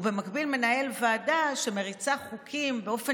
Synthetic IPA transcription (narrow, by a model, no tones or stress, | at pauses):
ve̞makbilme̞nae̞lvaːdaʃe̞me̞ʁit͡saχukʰimbe̞o̞fe